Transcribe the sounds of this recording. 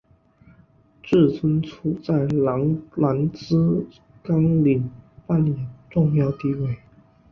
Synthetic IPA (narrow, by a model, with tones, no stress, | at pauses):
ʈ͡ʂɻ̩˥˩t͡sʰə˥ŋt͡sʰu˥t͡sa˥˩ɪ˧˥la˧˥nt͡sɹ̩˥ | kɑ˥ŋli˨˩npa˥˩njɛ˨˩nʈ͡ʂʊ˥˧ŋjɑ˥˧ʊt̪i˥˧we˥˩ɪ